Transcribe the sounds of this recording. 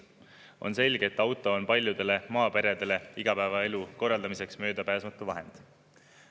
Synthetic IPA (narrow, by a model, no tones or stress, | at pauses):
o̞̰nse̞lʲɡ̥eet̪ːˑɑwt̪ˑo̞onpɑlʲjud̪̥e̞le̞mɑːpe̞ɾe̞d̪̥e̞le̞iɡ̥ɑpævɑe̞luko̞rːɑld̪ɑmise̞ksmø̞ːd̪̥ɑpæːsmɑt̪ːˑuvɑɦe̞̰nd̪̥